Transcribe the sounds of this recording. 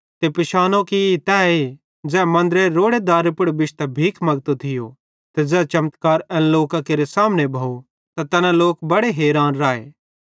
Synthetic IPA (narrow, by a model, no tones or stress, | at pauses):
t̪epɪʃaːnõkit̪ɛːe | d͡zɛːmɐ̃nd̪ɾeɾoːɽed̪aːɾepʊɽbɪt͡ʃt̪ɐbʱiːkʰmɐɡt̪ot̪ʰɪjo | t̪ed͡zɛːt͡ʃɐmət̪kaːɾɛ̃ːnloːkakeɾesaːmnebʱaːo | t̪at̪ɐnãloːkbɐɽeɦeːɾaːnɾaːḛː